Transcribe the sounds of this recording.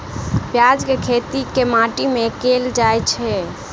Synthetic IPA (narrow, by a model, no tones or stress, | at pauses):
pjad͡ʒkekʰet̪ikemaʈimekeld͡ʒajt͡ʃʰɛ